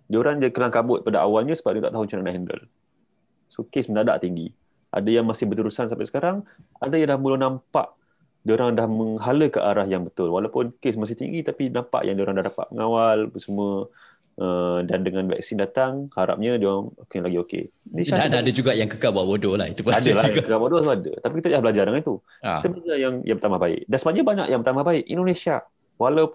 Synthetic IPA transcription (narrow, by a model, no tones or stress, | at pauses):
dioɾaŋd͡ʒaikəlaŋkabʊt̪̚padaʔa̰walɲəsəbap̚d̃t̪aʔt̪aɦʊŋt͡ʃananaʔɦində̰l | sokesmənada̰ʔt̪iŋɡi | ʔa̰dəjaŋmasɪhbət̪əɾusansampasə̥kaɾaŋadajadlahmulʊhnãmpa̰ʔ | dioɾaŋdahməŋɦaləkəʔaɾahjaŋbət̪ʊlwalawpʊnkesmas̬ɪht̪ḭŋɡit̪apinãmpa̰ʔjʔa̰ŋdioɾaŋdahdapa̰ʔ̪̚məŋawalbəsəmuə | ʔədandəŋãnva̰k̚sindat̪aŋhaɾa̰p̚ɲədioɾaŋokelaɡiokḛnnẽsaanadəd͡ʒuɡaʔjaŋkəkalbuaʔbodɔlahit̪upadəlajaŋkəkalbodɔt̪uadə̰t̪apikit̪ədlahbəlad͡ʒarɾdəŋant̪u | kit̪əbəlad͡ʒajaŋjaŋpət̪amahbaɪ̰ʔ̚dansəbaɲabaɲa̰ʔjaŋbət̪amahbaɪʔḭndonesia | walawp